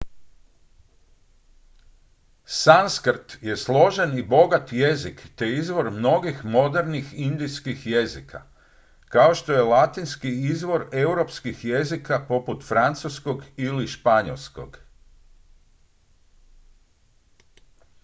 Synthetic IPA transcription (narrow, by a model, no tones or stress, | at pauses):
sanskɾt̪je̞slˠo̞ʒenibo̞ɡat̪je̞zikt̪e̞izʋo̞ɾmno̞ɡixmo̞d̪e̞ɾnixind̪ijskixje̞zikʰa̰ | kaoʃt̪o̞je̞lat̪inskiizʋo̞ɾe̞uɾo̞pskixje̞zikapo̞put̪fɾant̪susko̞ɡiliʃpaɲo̰lˠsko̞̰ɡ